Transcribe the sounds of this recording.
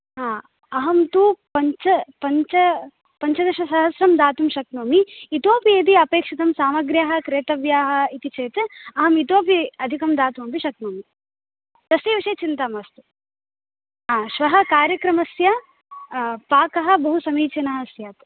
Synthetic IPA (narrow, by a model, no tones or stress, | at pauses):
ɦaː | ɐɦɐmt̪upɐɲt͡ʃɐpɐɲt͡ʃɐ | pɐɲt͡ʃɐd̪ɐɾʃɐsɐɦɐsɾɐmd̪aːt̪umʃɐknoːmiit̪oːpieːd̪iɐpeːkʂit̪ɐmsaːmɐɡɾjaːɦɐ̆kɾeːt̪ɐʋjaːɦɐ̆it̪it͡ʃeːt̪ɐɦɐmit̪oːp̬iɐd̪ʱikɐmd̪aːt̪umɐpiʃɐknoːmi | d̪̥ɐsiːʋiʂɐjt͡ʃint̪aːmɐːst̪u | ɦaːʃʋɐɦɐ̆kaːɾjɐkɾɐmɐsjɐ | paːkɐɦɐ̆bɐɦusɐmiːt͡ʃɐnɐɦɐsjaːt̪